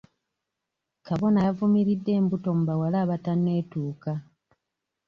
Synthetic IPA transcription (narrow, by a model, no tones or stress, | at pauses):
kaβo̞navumiɾidːe̞ːmbuto̞mubawalaːβatanːe̞ːtuːka